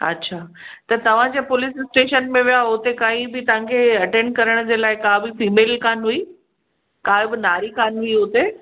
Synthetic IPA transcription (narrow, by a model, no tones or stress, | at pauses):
ɐ̰tːɕʰaːt̪ɐt̪ɐʋ̤ãd͡ʑeːpʊlɪsɪsʈeːʃənmẽʋijaʊt̪ekaːĩbɪt̪ɐʋ̤ãkʰeɐʈẽɳɖ̚kɐɾəɽ̃d͡ʑeːlaːɪkãːbɪfiːmeːlkaːnɦui | kaːɪbɪnaːɾikaːnɦuiɦʊt̪e